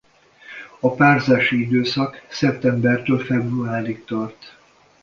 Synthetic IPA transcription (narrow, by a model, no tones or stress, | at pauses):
ɒpaːrzaːʃiid̪øːsɒksɛp̚t̪ɛmbɛrt̪øːlfɛbruaːɾik̚t̪ɒrt̪